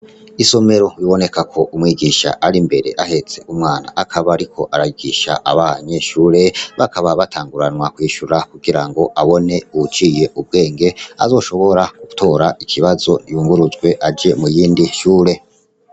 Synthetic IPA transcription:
iso̞me̞ɾo̞βiβo̞ne̞kakʰo̞ʔumŋiːɡiʃa̰ʔaɾimbe̞ɾe̞ʔahe̞t͡se̞umŋaːna̰ʔakʰaβaɾikʰo̞ʔaɾajiɡiʃa̰ʔaβaɲe̞ʃuːɾe̞βakaβaβatʰaːŋɡuɾanwakwiːʃuɾakuɡiɾaŋɡo̞ʔaβo̞ne̞uβut͡ʃiːje̞ʔub̚ɡe̞ːŋɡe̞a̰zo̞ːʃo̞βo̞ɾakuto̞ːɾaʔikʰiβazo̞nijuːŋɡuɾuzɡwe̞ʔad͡ʒe̞mujiːndiʃuːɾe̞

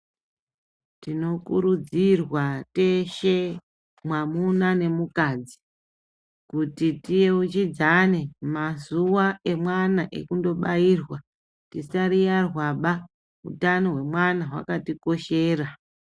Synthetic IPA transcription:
tino̞kuɾud͡zirwate̞ʃe̞ | mwamunane̞mukad͡zi | kutitije̞ut͡ʃid͡zane̞mazuwae̞mwanaʔe̞̰kundo̞ɓairwa | tisaɾijarwaɓa | ṵtanoɦwe̞mwanaɦwa̰katiko̞ʃe̞ːra

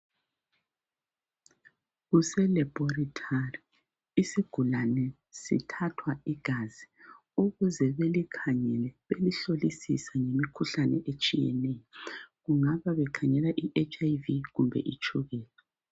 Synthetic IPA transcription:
ɣusɛlɛbɔritʰari | isiɡ̥ʱulanɛ | sḭtʰatʰwaiɡ̥ʱazi | uɣuzɛβelikʰaɲɛlɛβeliɬolisḭsaŋemikʰuɬanɛʔet͡ʃʼijɛ̰nɛjɔɣuŋaβaβɛkʰaɲɛlaʔiʔet͡ʃʼajviɣumbʱɛ̰ʔit͡ʃʼuɣɛːlɛ

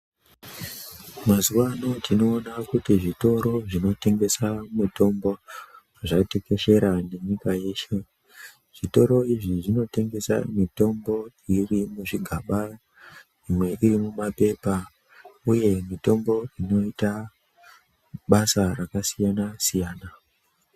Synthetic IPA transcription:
mazuwano̞tʰino̞ːnakutiʐito̞ɾo̞ʐino̞te̞ŋɡe̞samuto̞mbo̞ | ʐate̞ke̞ʃe̞ɾane̞ɲikaje̞ːʃe | ʐ̥ito̞ɾo̞iʐiʐino̞te̞ŋɡe̞sa̰mito̞mbo̞ | irimuʐiɡʱaɓa | imwe̞ʔirimumape̞pa | uje̞mito̞mbo̞ino̞ita | ɓasarakasijanasijaːna

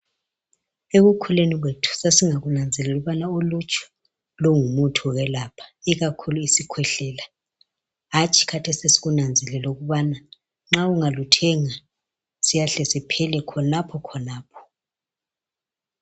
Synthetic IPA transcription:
eɣukʰuleniɣ̬wetʰu̥sasiŋaɣunand͡zʱɛlɛuɣuβanaolut͡ʃʰʼɔ̥ | lɔŋumutʰuɣɛlapʰḁiɣakʰuluisikʰwɛɬɛːla | ɦat͡ʃʼʰi̥kʰatʰesisi̥ɣunand͡zʱɛlɛlɛuɣuβana | ŋ͡ǁauŋalutʰɛŋa | sijaɬɛsipʰɛlɛkʰɔnapʰɔkʰɔnaːpʰɔ̥

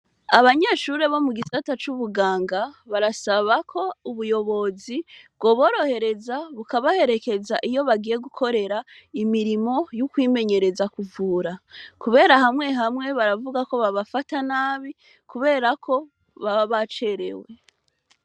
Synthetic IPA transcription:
aβaɲe̞ʃuɾe̞βo̞muɡisatat͡ʃuβuɡaːŋɡaβaɾasaβakʰo̞uβujo̞βo̞zibɡo̞βo̞ːɾo̞he̞ɾe̞zaβukaβahe̞ɾe̞ke̞zaʔijo̞βaɡije̞ɡukʰo̞ɾe̞ɾaimiɾimo̞jukwiːme̞ɲe̞ɾe̞zakuvuːɾakuβe̞ːɾaɦamŋe̞ɦamŋe̞βaɾavuɡako̞βaβafatanaːβi | kuβe̞ːɾakʰo̞ | βaβaβat͡ʃe̞ɾe̞̰we

